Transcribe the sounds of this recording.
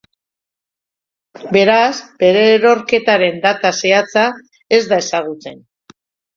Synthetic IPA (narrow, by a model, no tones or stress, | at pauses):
be̞ɾazbe̞ɾe̞ɾo̞ɾke̞t̪aɾe̞nd̪at̪ase̞at͡sa | e̞zd̪ae̞saɣ̞ut͡se̞̰n